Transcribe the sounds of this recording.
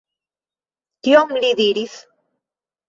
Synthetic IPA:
t̪jomliðiɾiθ

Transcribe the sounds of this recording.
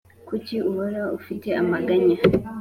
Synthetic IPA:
kut͡ʃiʔuwɔɾaufitɛamaɡaɲa

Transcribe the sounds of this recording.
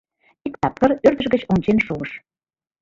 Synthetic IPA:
ikt̪ɑp̚kə̆rørd̪ə̆ʒɡə̆t͡ɕont͡ɕenʃuəʃ

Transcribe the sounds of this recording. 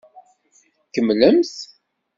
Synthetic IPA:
kəmləmθ

